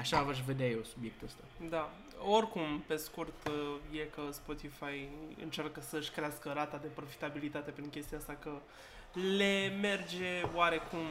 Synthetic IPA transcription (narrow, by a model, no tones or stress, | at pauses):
aʃavaʃ̬ve̞d̪eajeosubje̞k̚t̪uəst̪ad̪a | o̞rʲkumpe̞skurt̪je̞kəspo̞t̪ifajɨ̰nt͡ʃarkəsəɨʃʲkɾeaskəɾat̪ad̪e̞pɾo̞fi̥t̪abilit̪at̪e̞pɾiŋkʲe̞st̪iaast̪akə | le̞me̞rd͡ʒe̞oaɾe̞kum